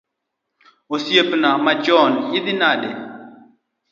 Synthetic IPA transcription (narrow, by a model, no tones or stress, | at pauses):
osjepnamad͡ʒɔnɪd̪ɪnaɗɛ